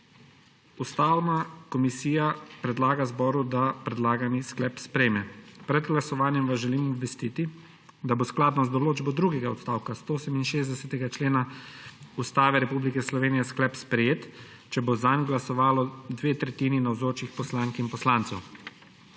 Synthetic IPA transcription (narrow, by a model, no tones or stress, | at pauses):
ust̪aːwnakɔmisiːjapɾɛd̪laːɡazbɔːɾud̪apɾɛd̪laːɡanisklɛpspɾɛjmɛpɾɛd̪ɡlasɔʋaːnjɛmʋazʒɛliːmɔbʋɛst̪iːt̪i | d̪abosklaːd̪nɔzd̪ɔloːd͡ʒbɔd̪ɾuɡɛɡaɔt̪st̪aːwkast̪oosɛminʃeːzd̪ɛsɛt̪ɛɡat͡ʃleːna | ust̪aːʋɛɾɛpublikɛslɔʋeːnijɛsklɛpspɾɛjeːt̪ | t͡ʃɛbozanɡlasɔʋaːlɔd̪ʋeːt̪ɾɛt̪iːninawzoːt͡ʃixpɔslaːŋkinpɔslaːnt̪sɛw